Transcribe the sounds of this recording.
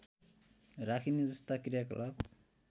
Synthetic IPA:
ɾakʰined͡zʌst̪akrijaklab

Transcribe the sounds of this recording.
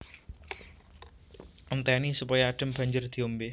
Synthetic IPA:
ənt̪aanisupajaːɖ̥əmb̥a̤ɲd͡ʒərd̪̥iombe

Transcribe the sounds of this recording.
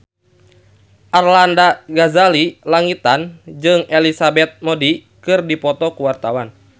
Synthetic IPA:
ʔarlandaɡazalilaŋit̪and͡ʒɨŋɛlisabɛt̪̚mɔdi | kɨrdipɔt̪ɔkuwart̪awan

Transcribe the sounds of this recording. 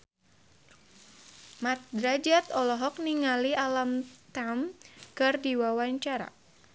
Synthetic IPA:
mat̪̚dɾad͡ʒat̪ɔlɔɦɔk̚niŋalialamt̪amkɨrdiwawaɲt͡ʃaɾa̰

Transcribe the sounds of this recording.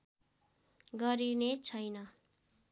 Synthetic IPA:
ɡʌɾinet͡sʰʌjnʌ

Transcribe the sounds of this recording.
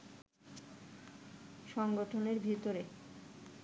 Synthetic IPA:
ʃɔŋɡoʈʰoneɾbʱit̪oɾe

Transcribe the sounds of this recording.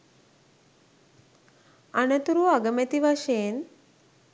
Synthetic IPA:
anɐt̪uɾuaɡəmet̪iʋaʃeːn

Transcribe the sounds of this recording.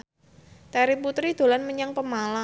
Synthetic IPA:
t̪aɾiput̪ɾid̪̥o̤lanməɲaŋpəmala

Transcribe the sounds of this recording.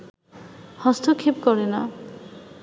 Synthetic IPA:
hɔst̪ʰokʰip̚kɔɾena

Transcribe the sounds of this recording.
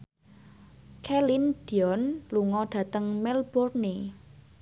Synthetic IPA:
kʰɛlind̪̥i̤ɔnluŋɔɖ̥ä̤t̪əŋmɛlb̥ɔrne

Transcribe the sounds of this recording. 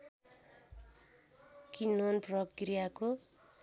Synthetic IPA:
kinonprʌkrijako

